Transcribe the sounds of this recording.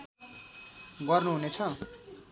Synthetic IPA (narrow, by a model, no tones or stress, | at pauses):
ɡʌrnuɦunet͡sʰʌ